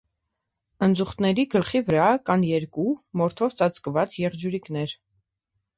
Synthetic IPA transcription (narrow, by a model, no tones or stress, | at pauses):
ənd͡zuχt̪nɛɾiɡəlχivəɾɑkɑnjɛɾkumɔɾt̪ʰɔvt͡sɑt͡skəvɑt͡sjɛʁd͡ʒuɾiknɛɾ